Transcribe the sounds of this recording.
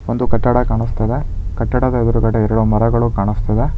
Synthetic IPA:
ond̪ukɐʈːɐɽɐkaːɳist̪ɐd̪e̞ | kɐʈːɐɽɐd̪ɐɛd̪ɐɾukɐɽeɛɾɐɽumɐɾɐɡɐɭukaːɳist̪ɐd̪e

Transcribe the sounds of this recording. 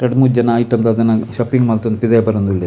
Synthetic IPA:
ʈɐɽmuːd͡ʒɐnɐːjiʈːɐnt̪ɐd̪ɐnːɐʃɐpːiŋɡmɐlt̪ond̪pid̪ejbɐɾond̪uɭe

